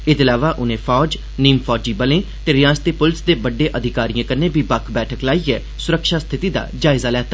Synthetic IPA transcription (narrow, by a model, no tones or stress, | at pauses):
ɪt̪ɪlaːʋaːʔʊnẽːfʰɔːd͡ʒ | niːmpʰɔːd͡ʒiːbəlẽːt̪eːɾɪjãːst̪eːpʊlɪsd̪eːbəɖːeːʔəd̪ʱɪkaːɾijãːkəɾnẽːbʱiːbəkʰbɛːʈʰəklaːiɛː | sʊɾəkʃaːst̪ʰɪt̪iːd̪a̰ːd͡ʒaːɪzaːlɛːt̪aː